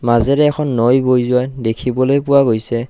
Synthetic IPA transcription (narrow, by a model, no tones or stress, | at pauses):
mazɛɾɛːkʰɔnːojbojzʊajdekʰibɔlojpuwaɡojsɛ